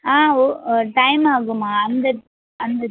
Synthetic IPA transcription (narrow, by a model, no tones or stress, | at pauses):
aːoʈɐɪmaːɣɯmaːɐnd̪ɐ | ɐnd̪ɐ